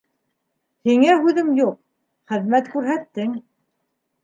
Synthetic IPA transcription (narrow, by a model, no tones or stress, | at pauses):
hiŋæɦʉðɘmjuq̚ | χɘ̆ðmæt̪kʉɾɦæt̪ːɘŋ